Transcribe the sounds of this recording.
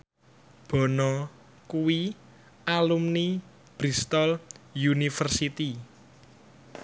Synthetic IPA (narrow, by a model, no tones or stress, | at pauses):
b̥ɔ̤nɔ | kuwi | ʔalumni | b̥ɾist̪ɔljunifərsit̪i